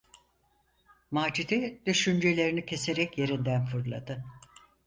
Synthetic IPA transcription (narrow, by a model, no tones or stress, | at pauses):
maːd͡ʒid̪id̪̥yʃynd͡ʒe̞lʲe̞ɾinicʰe̞se̞ɾɛcje̞ɾind̪ænfɯɾlˠa̰d̪ɯ